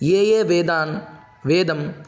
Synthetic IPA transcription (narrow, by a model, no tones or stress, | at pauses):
jeːjeːʋeːd̪aːn | ʋeːd̪ɐm